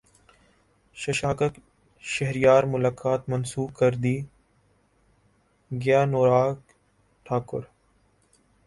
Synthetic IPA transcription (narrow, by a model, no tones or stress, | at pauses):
ʃəʃaːkək | ʃɐɦɾɪjaːɾmʊlaːkaːt̪mɐnsuːb̚kəɾd̪iː | ɡjaːnoːɾaːk | ʈʰaːkʊ̰ɾ